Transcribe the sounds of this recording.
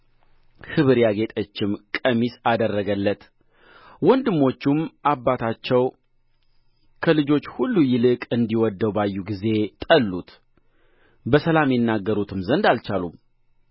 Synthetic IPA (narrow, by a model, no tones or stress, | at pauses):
hɨβɨɾjaɡe̞t̪ʼət͡ʃːɪmkʼəmisad̪ərːəɡəlːət̪ | wɔnd̪ɨmːo̞t͡ʃːumʔabːat̪ʰat͡ʃːɛw | kʰəlɨd͡ʒo̞t͡ʃːhulːujɪlɨkʼɨnd̪iwɔd̪ːəwbajːuɡize̞t̪ʼəlːut̪ | bəsəlamjɛnːaɡːəɾut̪ʰɨmzənd̪alt͡ʃalum